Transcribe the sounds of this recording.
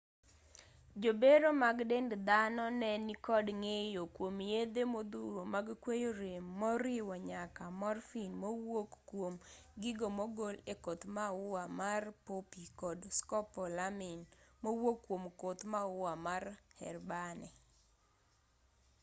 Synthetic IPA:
d͡ʒobeɾomaɡdendd̪anɔnɛnikɔdŋejokwomjed̪emod̪uɾomaɡkwejoɾemːɔɾɪwɔɲakamɔrfinmowokːwomɡɪɡomoɡolekot̪maʊwamarpopikɔdskɔpɔlamɪnmowokːwomkot̪maʊwamarhɛ̰rbanɛ

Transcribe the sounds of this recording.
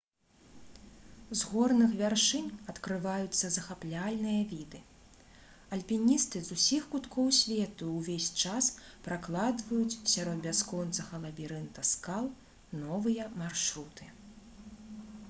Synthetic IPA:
zɣɔrnɨxvʲarʂɨnʲɐt̪kɾɨvajut̪sːɐzɐxaplʲalʲnɨjɐvʲid̪ɨ | ɐlʲpʲinʲist̪ɨzusʲixkut̪kʰɔwsʲvʲɛt̪uːvʲesʲt͡ʂaspɾaklˠad̪vɐjut͡sʲsʲaɾɔd̪̚bʲaskɔnt̪sɐɣɐlˠɐvʲiɾɛnt̪ɐskalˠ | nɔvɨjɐmarʂɾut̪ɨ

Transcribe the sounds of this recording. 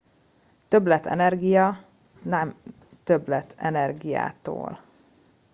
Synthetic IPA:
t̪ø̞blɛt̪ʰɛ̰nɛrɡijɒ | nɛm | t̪øblɛt̪ʰɛnɛrɡija̰ːt̪o̰ːl

